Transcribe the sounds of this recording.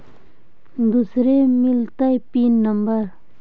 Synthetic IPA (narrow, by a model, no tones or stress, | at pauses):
nd̪usɾemilt̪ajpinəmpar